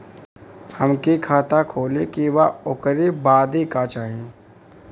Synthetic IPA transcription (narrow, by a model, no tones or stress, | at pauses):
həmkikʰaːt̪akʰoːlekiʋaʊkəɾibaːd̪ikat͡ʃaːɦe